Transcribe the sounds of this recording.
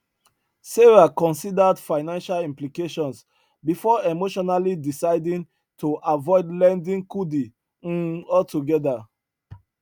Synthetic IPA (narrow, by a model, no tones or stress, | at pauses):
seɹakɔ̃nsidadfaɪnãnʃalĩmplikeʃɔ̃ns | bifɔemoʃɔnalidisaɪdĩn | tʰuʔavɔɪdlɛ̃ndĩŋkudi | ɔtuɡɛda